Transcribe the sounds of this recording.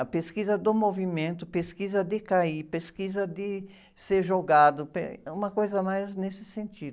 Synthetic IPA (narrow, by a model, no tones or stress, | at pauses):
ɐpeskizɐd̪ʊmovimẽnt̪ʊpeskizɐd̪ɪkaipeskizɐd̪ɪ | seɾʒoɡad̪ʊpḛũmɐkojzɐmajznesɪ̥sẽnt͡ʃ̪id̪